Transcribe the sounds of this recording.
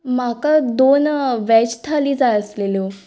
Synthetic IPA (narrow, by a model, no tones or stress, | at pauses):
makad̪onʋɛt͡ɕt̪ʰaliːd͡zajəslelo